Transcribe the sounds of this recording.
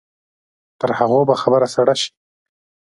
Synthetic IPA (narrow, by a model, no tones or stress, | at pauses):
t̪əɾhaɣobaxabəɾasaɽaʃi̥